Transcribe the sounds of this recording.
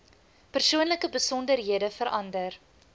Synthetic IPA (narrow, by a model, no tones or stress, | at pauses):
pərsuənləkəbəsɔndərɦiədəfəɾʔɐndər